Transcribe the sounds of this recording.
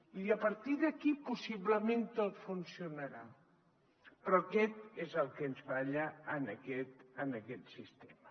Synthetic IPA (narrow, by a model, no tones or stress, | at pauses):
iəpəɾt̪iðəkipusiβləment̪ot̪funsiunəɾa | pɾɔkɛt̪ezəlˠkənzβaʎəːnəkɛt̪ənəkɛt̪sist̪emə